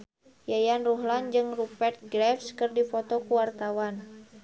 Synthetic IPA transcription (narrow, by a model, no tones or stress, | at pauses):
jajanruɦland͡ʒɨŋrupɛrt̪̚ɡɾɛfskɨrdipɔt̪ɔkuwart̪awan